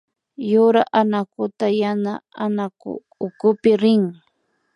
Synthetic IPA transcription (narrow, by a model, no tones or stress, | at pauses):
jʊɾaʔanakʊt̪ajanaanakʊ̰ː | kʊpɪɾɪŋ